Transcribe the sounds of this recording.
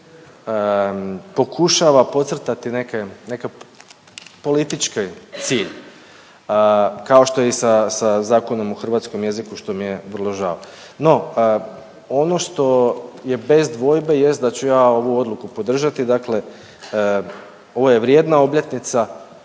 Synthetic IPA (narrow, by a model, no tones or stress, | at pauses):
ə | po̞kʰuʃaʋapo̞t̪sr̩t̪at̪ine̞kene̞ka | po̞lit̪it͡ʃkojt̪siːʎ | kao̞ʃt̪o̞jeisasazaːko̞no̞moxr̩ʋaːt̪sko̞mje̞zikuʃt̪o̞mijeʋrlˠo̞ʒa̰ːʋo | no̞ | ono̞ʃt̪o̞je̞be̞zd̪ʋo̞ːjbe̞je̞st̪̚d̪at͡ɕujaːo̞ʋuo̞d̪lˠukupo̞d̪r̩ʒat̪id̪akle̞ | o̞ʋojeʋɾje̞d̪nao̞bʎet̪nit̪sa